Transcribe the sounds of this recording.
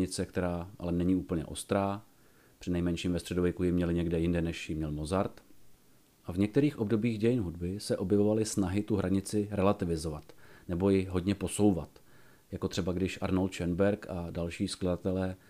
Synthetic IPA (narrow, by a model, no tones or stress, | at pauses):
ɪt͡sɛkt̪ɛɾaːʔa̰lɛnɛɲiuːpl̩ɲɛ̰ʔo̞st̪ɾaː | pr̥ɪnɛjmɛnʃiːmvɛst̪r̥ɛdovjɛkujɪmɲɛlɪɲɛɡdɛjɪndɛnɛʃjɪmɲɛlmo̞zaɾt̪ | ʔavɲɛk̚t̪ɛɾiːxʔo̞bdo̞biːɣɟɛjɪnɦudbɪsɛʔo̞bjɛvo̞valɪsnaɦɪt̪uɦɾʔaɲɪt͡sɪɾɛlat̪ɪvɪzo̞vat̪nɛbo̞jɪɦo̞dɲɛpo̞so̞wvat̪ | jako̞t̪r̥ɛbaɡdɪʃʔaɾnolt̪̚t͡ʃɛnbɛɾkadalʃiːskladat̪ɛlɛː